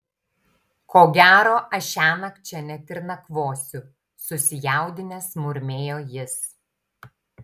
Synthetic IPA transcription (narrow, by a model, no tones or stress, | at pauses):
kʰoːɡʲæːɾoːʔɐʃʲæːnɐkt͡ʃʲɛnʲɛt̪ʲɪɾnɐkʋoːsʲʊ | sʊsʲɪjæˑʊd̪ʲɪnʲɛsmʊɾʲmʲeːjoːjɪs